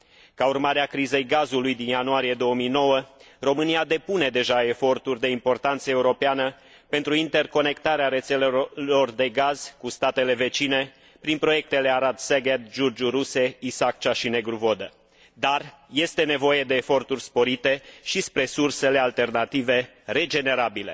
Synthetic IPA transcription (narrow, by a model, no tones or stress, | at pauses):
kaurmaɾeakɾize̞jɡazulujd̪injanuaɾije̞d̪o̞wəmijno̞wə | ro̞mɨniad̪e̞pune̞d̪e̞ʒae̞fo̞rt̪urʲd̪e̞impo̞rt̪ant̪səeuɾo̞peanə | pe̞nt̪ɾuint̪e̞rko̞ne̞kt̪aɾeaɾe̞t̪selelo̞rd̪e̞ɡaz̥kust̪at̪e̞le̞ve̞t͡ʃine̞ | pɾinpɾo̞je̞k̚t̪e̞le̞aɾad̪seɡed̪d͡ʒurd͡ʒuɾuse̞isak̚t͡ʃaʃine̞ɡɾuvo̞d̪ə | d̪ar | je̞st̪e̞ne̞vo̞je̞d̪e̞ːfo̞rt̪urʲspo̞ɾit̪e̞ʃispɾe̞surse̞le̞alt̪e̞rnat̪ive̞ | re̞d͡ʒe̞ne̞ɾabile̞̰